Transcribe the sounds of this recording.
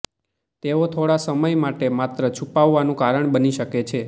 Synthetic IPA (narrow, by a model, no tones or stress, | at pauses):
t̪eot̪ʰoɽasəməjmaʈemat̪ɾət͡ʃʰupaʋːanũkaɾəɳbəniʃəket͡ʃʰe